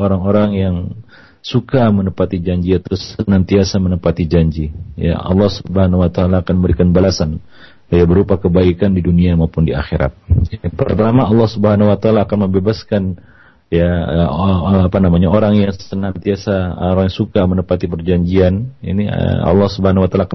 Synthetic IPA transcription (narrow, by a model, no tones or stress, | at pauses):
oɾaŋoɾaŋjaŋ | sukamənəpat̪id͡ʒaɲd͡ʒiat̪asənant̪iasamənəpat̪id͡ʒaɲd͡ʒija̰ɑ̰lːɑhsubəhanwat̪aːlaːkanməbəɾikanbalasan | jabəɾupakəbaikandiduniamaupʊndia̰xeɾa̰t̪̚jpərt̪amaɑlːɑhsubəɦanawat̪aːlaːkanməmbebaskan | jaəapanamaɲaoɾaŋjaŋsənant̪iasa̰ɾaŋjasukamənəpat̪ipərd͡ʒaɲd͡ʒianḭnḭɑ̰lːɑhsubəhanawat̪alaːka